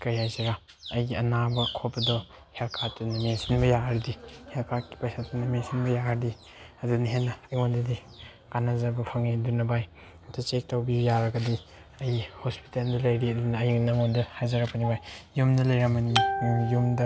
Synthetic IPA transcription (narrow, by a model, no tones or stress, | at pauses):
kɐjhajzɐɾa | ɐjɡiɐnabɐkʰɔpɐdɔ | helkʰatunɐmensinbɐjaaɾdihelkʰakːi̥pajsʰatunɐmensinbɐjahɐɾdi | ɐdunɐɦenɐɐjŋondɐdi | kanazɐbɐpʰɐŋidunɐbaj | tɐt͡ʃek̚tawbijaɾɐɡɐdi | ɐjhospi̥teldɐlɐjɾiɐdunɐːjnɐŋondɐhajzaɾɐpʰɐnibajjumdɐlɐjɾamɐnijumdɐ